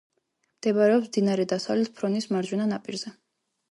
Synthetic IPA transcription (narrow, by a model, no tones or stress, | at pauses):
md̪̥ɛbaɾɛɔpsmd̪inaɾɛd̪asavlɛt̪̚pʰɾɔnismaɾd͡ʒwɛnanapʼiɾzɛ